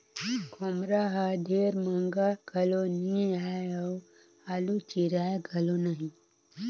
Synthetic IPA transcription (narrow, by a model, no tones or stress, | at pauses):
ɡʱomɾaɦad̪ʱeɾməŋɡaɡʱɐlonĩaeɐw | alut͡ʃiɾajɡʱɐlonaɦĩ